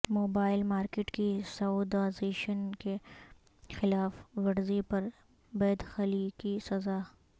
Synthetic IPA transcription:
moːbaːɪlmaːɾkɪʈkisɐuːd̪aːzeːʃənke | xɪlaːfʋɐɾzipɐɾ | bɛːd̪xɐlikisɐzaː

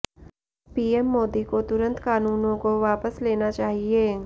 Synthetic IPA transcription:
piːemːoːd̪ikot̪ʊɾə̃nt̪kaːnuːnõkoʋaːpəsleːnat͡ʃaːɦie

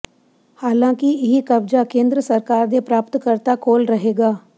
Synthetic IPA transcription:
haːlãːkɪɪɦikəbd͡ʒaːkẽːnd̪ɾəsəɾkaːɾd̪eːpɾaːpət̪kəɾt̪aːkoːlɾəɦeːɡaː

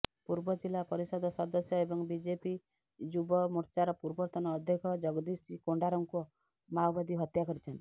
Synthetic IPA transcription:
puɾbɔd͡ʒilːapɔɾisɔd̪ɔsɔd̪ɔsjɔebɔŋbid͡ʒepi | d͡ʒubɔmuɾt͡ʃaɾɔpuɾbɔɾt̪ɔnɔːd̪ʱjekʰɔd͡ʒɔɡd̪isikoɳɖaɾɔŋku | mawbad̪iɦɔt̪jakɔɾit͡ʃʰɔnt̪i̥

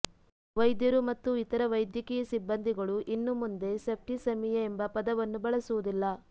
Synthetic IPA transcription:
ʋɐjd̪jɐɾumɐt̪ːuit̪ɐɾɐʋɐjd̪jɐkijɐsibːɐnd̪ʱiɡɐɭuʔinːumund̪e̞sɐp̚ʰʈisɐmijɐembɐpɐd̪ɐʋɐnːubɐɭɐsuʋud̪ilːɐ

